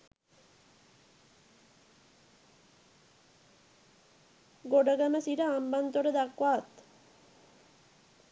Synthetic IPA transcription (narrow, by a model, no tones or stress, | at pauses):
ɡoɖəɡəməsiɾəambant̪oʈəd̪akʋaːt̪